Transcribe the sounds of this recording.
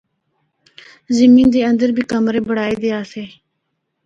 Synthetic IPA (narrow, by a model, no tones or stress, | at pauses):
zɪmĩːnd̪eːənd̪əɾbʱiːkəmɾeːbəɽaːeːd̪eːaːseː